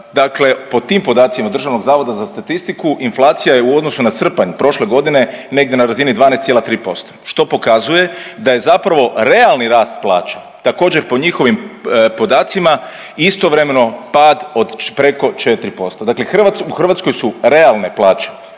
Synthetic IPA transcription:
d̪akle̞po̞t̪iːmpo̞d̪aːt̪simad̪rʒaʋno̞ɡzaːʋo̞d̪azast̪at̪ist̪ikuʔinflˠaːt̪sijaje̞uo̞d̪nosunasr̩paɲpɾo̞ʃle̞ɡo̞d̪ine̞ne̞ɡ̚d̪ʲje̞naɾazinid̪ʋaːnest̪jelat̪ɾiːpo̞st̪oʃt̪o̞po̞kazuje̞d̪aje̞zapɾaʋo̞ɾe̞alˠniɾaːst̪plˠa̰ːt͡ʃḁ | t̪ako̞ːd͡ʑe̞ɾpo̞ɲixo̞ʋimpo̞d̪aːt̪sima | ist̪o̞ʋɾe̞me̞no̞paːd̪o̞d̪pɾe̞ko̞t͡ʃet̪ɾipo̞st̪od̪aklexrʋatuxr̩ʋat̪sko̞jsuɾe̞alˠne̞plˠaːt͡ʃe̥

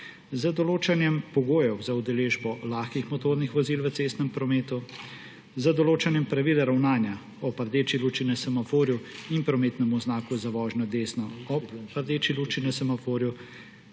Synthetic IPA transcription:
zəd̪ɔloːt͡ʃanjɛmpɔɡoːjɛwzaud̪ɛleːʒbɔlaːxkixmɔt̪oːɾnixʋɔziːlʋət̪seːst̪nɛmpɾɔmeːt̪u | zəd̪ɔloːt͡ʃanjɛmpɾaʋiːlɛɾawnaːnja | ɔpaɾd̪eːt͡ʃiluːt͡ʃinɛsɛmafoːɾjuimpɾɔmeːt̪nɛmuznaːkuzaʋɔːʒnɔd̪eːsnɔɔppaɾd̪eːt͡ʃilut͡ʃinɛsɛmafoːɾju

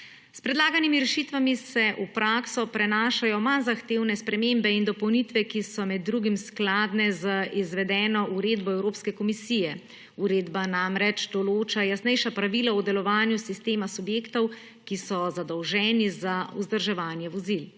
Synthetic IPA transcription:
spɾɛd̪laːɡanimiɾɛʃit̪ʋamisɛʔupɾaːksɔpɾɛnaːʃajɔmanzaxt̪eːwnɛspɾɛmembɛind̪ɔpɔwnit̪ʋɛkisɔmɛd̪ːɾuɡimsklaːd̪nɛzəizʋɛd̪ɛːnɔʔuɾeːd̪bɔɛwɾoːpskɛkɔmisijɛ | uɾeːd̪banamɾɛt͡ʃd̪ɔloːt͡ʃajasnɛjʃapɾaʋiːlaud̪ɛlɔʋaːnjusist̪eːmasubjeːkt̪ɔw | kisɔzad̪ɔwʒɛːnizauzd̪əɾʒɛʋaːnjɛʋɔzil

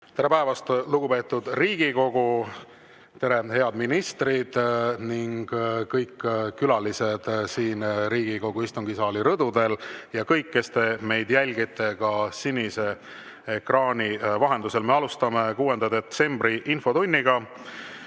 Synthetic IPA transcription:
t̪e̞ɾe̞pæevɑst̪luɡ̥upe̞ːt̪ːˑud̪riːɡ̥iko̞ɡ̥u | t̪e̞ɾe̞he̞ɑd̪̥minist̪rid̪̥niŋɡ̥kɤjkːkːylɑlised̪̥siːnɾiːɡ̥iko̞ɡ̥uist̪uŋɡ̥isɑːliɾɤd̪̥ud̪e̞ljɑkɤjkːe̞st̪e̞me̞jd̪̥jælʲɡ̥it̪ːˑe̞kɑsinʲise̞ː | krɑːnʲivɑɦe̞nd̪use̞lme̞ɑlust̪ɑme̞kuːe̞nd̪̥ɑd̪e̞t̪se̞mbriʔinfo̞t̪unʲːiɡ̥ɑ

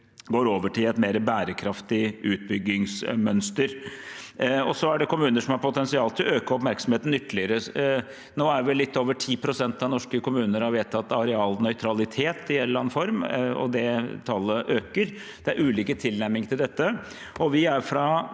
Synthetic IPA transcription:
ɡoːɾoːʋəʈʰɪlɛt̪meːɾəbæːɾəkʰɾɑft̪ɪʉːt̪̚bʏɡːɪŋsmœnst̪əɾ | ɔsɔæɖɛkʊmʉːnəʂɔmhɑɾpʊt̪ʰɛnsɪɑːlt̪ɪlɔøːkəɔpmæɾksɔm̩heːt̪n̩ʏt̪ːəlɪəɾə | noːæɾʋɪlːɪt̪ːoːʋəʈʰiːpʰɾʊsɛnt̪ɑnɔʂkəkʊmʉːnəɾɑɾʋeːt̪ːɑt̪ːɑɾɛɑːlnœʏt̪ʰɾɑlɪt̪ʰeːt̪ɪɛnlɑnfɔɾmɔ̰d̪ɛt̪ʰɑlːəʔøːkəɾ | d̪̥ɛæɾʔʉːliːkət̪ʰɪlnæɾmɪŋt̪ʰɪld̪ɛt̪ːə | ɔʋɪæɾfɾɑ

